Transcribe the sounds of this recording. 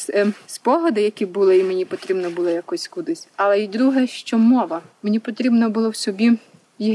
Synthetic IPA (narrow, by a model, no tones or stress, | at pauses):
sspɔɦɔd̪ɪjɐkʲibulˠɪimenʲipɔt̪ɾʲibnɔbʊlˠɔjɐkɔsʲkud̪ɪsʲɐlˠɛid̪ɾuɦɛʃt͡ʃɔmɔʋɐmenʲipɔt̪ɾʲibnɔbʊlˠɔwsʲɔbʲi | jiɦ